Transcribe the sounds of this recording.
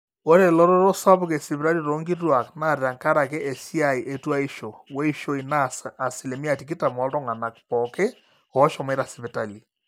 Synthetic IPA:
o˦ɾe˨lɔ˦ɾɔ˦ɾo˦sa˦βke˨si˨βɾa˦ɾi˦ɾo˦ŋɡi˦twa˨kna˦˨ɾɾa˨ŋka˦ɾa˨ke˦ʔe˨si˦a˦˨i˨ʔe˨twa˦i˦ʃo˨we˦i˦ʃo˦i˨na˦a˨si˨le˨mi˦a˨ti˨ki˦ta˨mɔ˨˦ltɔ˦ŋa˨na˨k̚pɔ˨ke˦ | ɔ˨˦ʃɔ˨me˦ɾa˨si˨βe˨ta˨li˨

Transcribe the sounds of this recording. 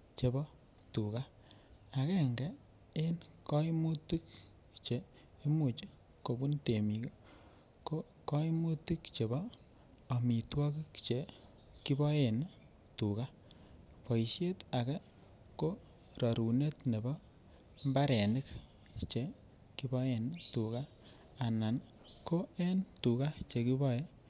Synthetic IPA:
t͡ʃe˨bɔ˦ | tu˨ka˦ | a˨kɛ˦˨ŋɡɛ˦ | e˦nkɔ˦imu˦ti˦k | t͡ʃeː˨˦ | mu˨t͡ʃ | ko˨bu˦nte˨mi˨ke˦ | ko˦ | kɔ˦imu˦ti˦kt͡ʃe˨bɔː˦˨ | mi˨twɔ˦ki˦kt͡ʃe˨ | ki˦bɔ˦je˨n | tu˨ka˦ | pɔ˨i˨sje˦ta˨kɛ˦ | ko˦ | rɔ˨ɾu˨ne˦tne˨bɔ˦ | mba˦ɾe˨ni˦k | t͡ʃe˨ | ki˦bɔ˦je˨ntu˨ka˦ | a˨na˨nko˦e˦ntu˨ka˦t͡ʃe˨ki˦bɔ˦je˦

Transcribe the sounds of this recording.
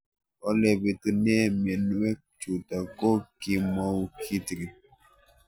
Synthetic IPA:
ɔ˦lɛ˨bi˨tu˦n˦ɛ˦me˨n˦wɛ˦k̚t͡ʃu˨ta˨ko˦ki˦mɔ˦wkʰi˦tɾi˨

